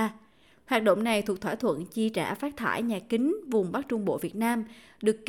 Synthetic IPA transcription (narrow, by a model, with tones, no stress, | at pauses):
hwaː˨˩t̚ɗə̰˧˨wŋ͡mna˨˩jt̪ʰu˨˩k̚t̪ʰwaː˧˩jt̪ʰwə̰˧˨nt͡ɕi˧t͡ɕa̰ː˧˩faː˦˥t̚t̪ʰa̰ː˧˩jɲaː˨˩kï˨˦ŋ̟vʊ˨˩ŋ͡mɓa˦˥k̚t͡ɕʊ˧ŋ͡mɓo̰˧˨vi˨˩ət̚naː˧mɗɨ˨˩əkː